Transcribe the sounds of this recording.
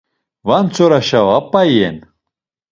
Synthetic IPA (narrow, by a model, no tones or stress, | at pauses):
vant͡sʰoɾaʃavapːajḛn